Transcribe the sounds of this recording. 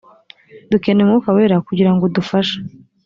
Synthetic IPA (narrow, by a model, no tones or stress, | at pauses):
dukenemukaweːɾakuɟiɾaŋɡo̞dufaʃḁ